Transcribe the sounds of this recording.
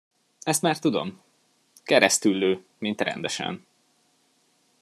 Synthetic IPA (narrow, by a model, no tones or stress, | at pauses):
ɛst̪maːrt̪ud̪o̞̰m | kɛɾɛst̪ylːøː | mint̪rɛ̰nd̪ɛʃɛ̰n